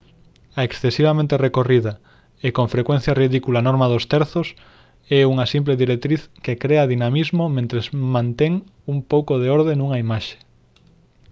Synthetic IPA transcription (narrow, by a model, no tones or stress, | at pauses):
ɐeksθesiβamẽnt̪erekoriðɐ | ekõŋfɾekwen̟θjɐriðikulaːnɔɾmaðost̪ɛɾθos | ɛuŋɐsimpleðiɾek̚t̪ɾiθkekɾeɐðinamizmomẽnt̪ɾezmãnt̪eŋ | uŋpowkoðeoɾðenuŋaimaʃe̥